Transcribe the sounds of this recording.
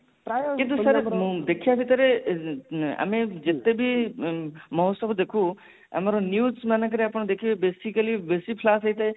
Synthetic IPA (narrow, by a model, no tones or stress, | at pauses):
kɪ̃nt̪̬usɐɾd̪ekʰijabʱit̪əɾe | ɐ̰mẽd͡ʒɪt̪ːebʱi | mɔɦsəbd̪ekʰu | ɐ̰maɾonjuːsmanak̬ɐɾeɐpɳ̃d̪ekʰijobeːsikəlibesipʰlaːsɐit̪e